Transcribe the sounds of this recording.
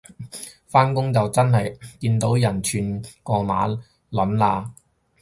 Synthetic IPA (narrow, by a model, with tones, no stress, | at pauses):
faː˥nkʊ˥ŋt͡sɐ˨wt͡sɐ˥nɦɐ˨jkiː˧nt̪o˨˥wjɐ˨˩nt͡ʃʰyː˨nkɔː˧maː˨˥ | lɐ˨˥nlaː˧